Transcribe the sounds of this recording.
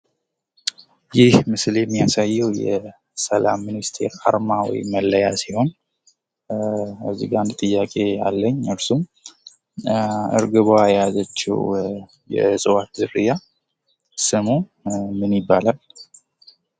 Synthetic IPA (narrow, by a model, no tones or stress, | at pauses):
jɪhmɨsljɛmːijasajːɛwjɛ | səlamːɨnist̪ʰe̞̰ɾa̰ɾmawɔ̰jməlːəjasiho̞n | əziɡand̪t̪ʼɨjːakʼe̞alːəɲːɨɾsum | ɨ̰ɾɡɨβoajjazət͡ʃːɛ̰w | jɛ̰sʼɨwat̪zɨrɨja | sɨmumɨnibːalal